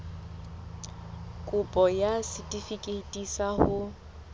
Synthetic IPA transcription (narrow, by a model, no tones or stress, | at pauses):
kʼʊpʼɔjasɪtʼifikʼetʼisahʊ